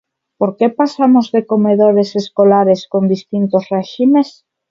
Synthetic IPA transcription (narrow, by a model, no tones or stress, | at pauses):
poɾkepasamozðeko̞meðoɾe̞seskolaɾe̞sko̞nd̪ist̪int̪osreʃime̞s